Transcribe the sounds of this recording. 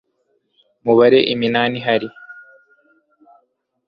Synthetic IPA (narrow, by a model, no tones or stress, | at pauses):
muβaɾe̞ʔiminaːniɦaɾi